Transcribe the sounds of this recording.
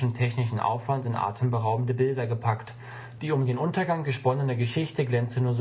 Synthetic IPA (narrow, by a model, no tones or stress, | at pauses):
n̩tʰɛçnɪʃn̩ʔa̰ʊfv̥antɪnʔa̰ːtʰəmbəʁaʊbm̩dəbɪldɐɡəpʰakt | d̥iːʊmdeːnʔʊntɐɡaŋɡəʃpɔnənɐɡəʃɪçtəɡlɛnt͡sənuːɐz